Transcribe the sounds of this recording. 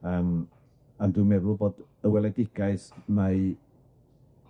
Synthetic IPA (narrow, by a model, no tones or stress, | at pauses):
əm | anduːmɛðʊlˠboːd | əwɛlˠɛdɪɡ̥aɨsma